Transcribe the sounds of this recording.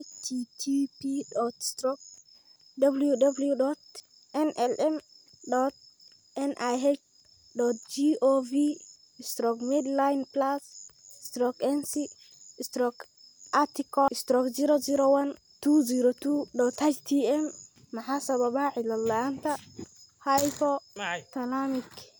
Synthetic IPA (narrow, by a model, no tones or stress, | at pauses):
tʰitʰipidɔt̪stɾɔk̚ | dabljudabljudɔt | ʔɛnʔɛlʔɛm | dɔt̪̚ | ɛnʔajɦɛt͡ʃ | dɔt̪̚d͡ʒiʔovi | st̪ɾɔkmidlajnplasɪst̪ɾɔkɛnsi | st̪ɾɔk | at̪ikɔɪst̪ɾɔkziɾɔziɾɔwɐn | t̪uziɾɔt̪udɔt̪ʰat͡ʃt̪ʰiɛmː | ɐħasɐβɐbaʕɪlɐlːaant̪ʰɐ | hajpɔt̪ɐlamik